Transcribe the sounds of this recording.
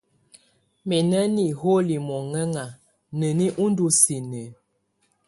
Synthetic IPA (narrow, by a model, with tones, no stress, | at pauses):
mɛ˨nə˦ni˨ho˦li˨mɔ˨ŋə˦ŋa˨ | nə˨ni˦ʔu˦n˦du˦si˨nə˨